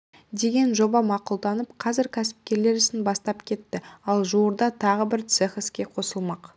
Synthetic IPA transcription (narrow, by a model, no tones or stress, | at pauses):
d̪e̞ɡʲe̞nʒo̞bɑmɑqʊlˠd̪ɑnəpqʰɑzɪɾkʲʰæsɪ̥p̚kʲe̞ɾle̞ɾɪsɪnbɑst̪ɑpkʲʰe̞t̪ːɪɑlˠʒuwəɾd̪ɑt̪ʰɑʁəbɪɾt̪seχɪskʲe̞qʰo̞səlˠmɑq